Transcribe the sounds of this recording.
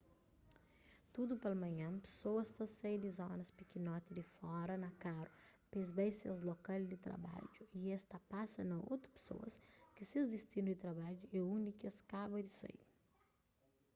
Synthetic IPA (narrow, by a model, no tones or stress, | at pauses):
t̪ud̪ʊpelɐmɐ̃ɲɐ̃pe̥sowɐst̪ɐsejd̪ɪzõnɐspikinɔt̪ɪd̪ɪfɔɾɐnɐkaɾʊpezbejsɐzlokald̪ɪt̪ɾa̰ba̰d͡ʒʊiɛst̪ɐpasɐnɐo̰wt̪ɾʊ̥pe̥so̰ɐ̰skɪsezd̪est̪inʊd̪ɪt̪ɾabad͡ʒʊeũnikɐskabɐd̪ɪsḛj